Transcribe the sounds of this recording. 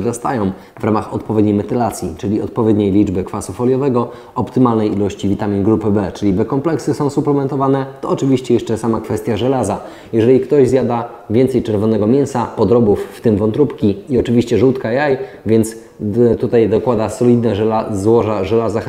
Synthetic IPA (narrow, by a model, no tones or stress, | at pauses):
d̪ɔst̪ajɔ̃w̃ | vɾamaxɔt̪̚pɔvʲɛd̪ɲejmɛt̪ɘlat̪sʲjit͡ʂɘlʲiɔt̪̚pɔvʲjɛd̪ɲejlʲid͡ʐbɘkfasɔfɔlʲjɔvɛɡɔ | ɔpt̪ɘmalnɛjilɔɕt͡ɕivʲit̪amʲinɡɾupɘbɛt͡ʂɘlʲibɛkɔmplɛksɘsɔ̃w̃suplɛmɛnt̪ɔvanɛt̪ɔːt͡ʂɘvʲiɕt͡ɕɛjɛʂt͡ʂɛsamakfɛst̪ʲjaʐɛlaza | jɛʐɛlʲikt̪ɔʑzʲjad̪a | vʲɛnt̪sɛjt͡ʂɛɾvɔnɛɡɔmʲjɛñsapɔd̪ɾɔbufːt̪ɘmvɔnt̪ɾupkʲiiɔt͡ʂɘvʲiɕt͡ɕɛʐuwt̪kaiajvʲjɛnt̪s | t̪ut̪ajd̪ɔkwad̪asɔlʲid̪nɛʐɛlazwɔʐaʐɛlazax